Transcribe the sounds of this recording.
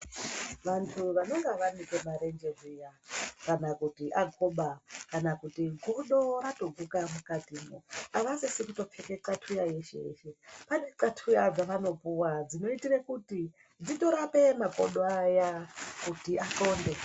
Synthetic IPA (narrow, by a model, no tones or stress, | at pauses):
ʋantʰuʋano̞ŋɡeʋanikemaɾe̞nd͡ʒe̞rijakanakutiʔaɡʱoɓakanakutiɡʱuruɗo̞rato̞ɡʱukamukatimoaʋasesikuto̞p͡fe̞ke̞ǀatʰujaje̞ʃḛjḛʃe̞paneǀatʰujad͡zaʋano̞puwad͡zino̞itirekuti | d͡zito̞ɾape̞mako̞̰ɗoajakutiʔako̞ːnde